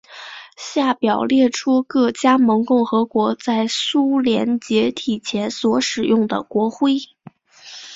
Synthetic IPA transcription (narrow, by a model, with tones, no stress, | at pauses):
ɕja˥˩pjɑ˨˩ʊljɛ˥˩ʈ͡ʂʰu˥kɤ˥˩t͡ɕja˥mɤ˧˥ŋkʊ˥˩ŋxɤ˧˥kwɔ˧˥t͡sa˥˩ɪsu˥ljɛ˧˥nt͡ɕjɛ˧˥t̪ʰi˨˩t͡ɕʰjɛ˧˥nswɔ˧˥ʂɻ̩˨˩jʊ˥˩ŋd̪ə̰˩kwɔ˧˥xwe˥˩ɪ